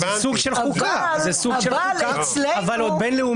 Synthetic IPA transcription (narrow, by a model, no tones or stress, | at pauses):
zesuɡʃelχukazesuɡʃluka | lavalod̪̚benleum